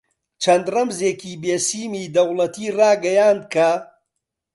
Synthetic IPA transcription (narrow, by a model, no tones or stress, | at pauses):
t͡ʃʰɐnd̪rɐmzeːkiːbeːsiːmiːd̪ɐwlˠɐt̪ʰiːraːɡɐjaːnd̪̚kʰɐ